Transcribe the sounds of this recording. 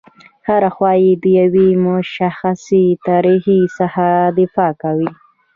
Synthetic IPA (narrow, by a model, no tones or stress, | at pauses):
haɾaxwɑjed̪əjawimʊʃaxasit̪ɑɾihisahad̪ɪfɑkawi